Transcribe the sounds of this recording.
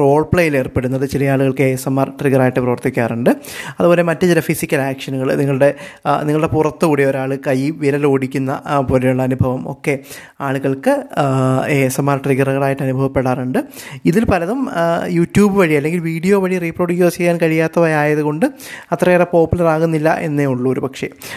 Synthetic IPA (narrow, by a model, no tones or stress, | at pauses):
ro̞ːɭpɭejile̞ːrpe̞ɽunːɐðɨt͡ɕilɐjaːɭuɣɐɭkɨeːsɐmːaːrʈriɣɐraːjiʈːɨprɐʋɐrt̪ikʲːaːruɳɖɨɐðubo̞ːle̞mɐtːɨt͡ɕilɐfisikʲːɐlaːkʂɐnuɣɐɭniŋːɐɭɨɽe̞niŋːɐɭɨɽe̞purɐt̪ːɨkuːɽeo̞ɾaːɭɨkɐjːiʋiɾɐlo̞ːɽikʲːunːɐ̰poːlejuɭːɐːnubʱɐʋɐmo̞̰ːkːe̞ | aːɭuɣɐɭkɨ | eːsɐmːaːrʈriɣɐrɣɐɭaːjiʈːɨɐnubʱɐʋɐpːeɽaːruɳɖɨ | iðilpɐlɐðumjuːtːjuːbɨʋɐɻiɐlːe̞ŋɡilʋiːɽijo̞ːʋɐɻiriproːɽuoːt͡ɕe̞jːaːnkɐɻijaːt̪ːɐʋɐjaːjɐðuɣo̞ɳɖɨ | ɐt̪rɐerepo̞ːpːulɐraːɣunːilːɐ̰ʔe̞̰nːeuɭːɐoɾupɐkʂe̞̰